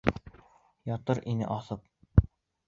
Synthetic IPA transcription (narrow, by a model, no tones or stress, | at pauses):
jɒt̪ɤɾʔinɘ̰ʔɒθɤp̚